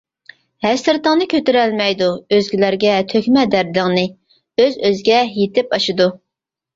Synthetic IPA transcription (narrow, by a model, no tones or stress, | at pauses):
hæsɪɾt̪əŋnɨkʲʰøt̪yɾælmɛjd̪uøzɡʲilæɾɡʲɛt̪ʰøkʲmɛd̪æɾd̪ɪŋnɨ | øzøzɡʲɛjet̪ɪpɑʃɨd̪u